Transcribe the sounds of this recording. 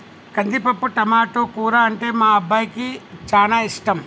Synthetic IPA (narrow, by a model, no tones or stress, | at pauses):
kɐnd̪ipɐpːuʈɐmaːʈoːkuːɾaːɐɳʈeːmaːɐbːaːjkit͡ʃaːnaːiʂʈɐm